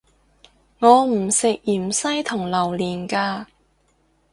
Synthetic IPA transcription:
ŋɔː˨˧m̩˨˩sɪ˨k̚jiː˨˩msɐ˥jt̪ʰʊ˨˩ŋlɐ˨˩wliː˨˩nkaː˧

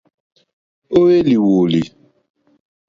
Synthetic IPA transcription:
o˦we˦li˨wo˨li˨

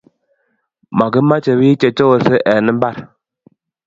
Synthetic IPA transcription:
ma˨ɡə˦ma˦t͡ʃe˨bi˦t͡ʃe˨t͡ʃo˦˨sə˦ʔɛ˨nə˦m̩˦ba˦˨ɾ

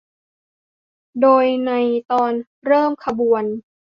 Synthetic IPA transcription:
doː˧jna˧jt̪ɔː˧n | ɾɤː˥˩mkʰa˧bu˨˩ən

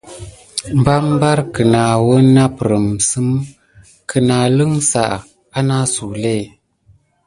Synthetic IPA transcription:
m̩˨ba˦m˦ba˦ɾkə˨na˨wə˦na˦pɾə˨msɨ˦m | kʰə˨na˨lɨ˦ŋsa̰˨ʔ | a˦na˦su˨le˦˨

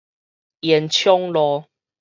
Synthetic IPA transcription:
jɛ˨˦nt͡ɕʰjɔ˦ŋlɔ˦

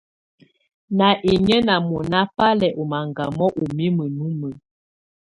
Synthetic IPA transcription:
na˨ʔe˨ɲə˦na˨mɔ˨na˦pa˦lɛ˨ʔo˨ma˨ŋɡa˨mɔ˦ʔo˨mi˦mə˨nu˦mə˨

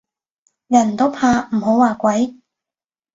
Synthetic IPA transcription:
jɐ˨˩nt̪o˥wpʰaː˧m̩˨˩ɦo˨˥waː˨˧kʷɐ˨˥j

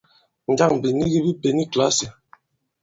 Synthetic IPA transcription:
n̩˨d͡ʒa˦˨ŋ˨bi˨ni˦ɣi˦bi˦pe˨ni˦kla˦si˨

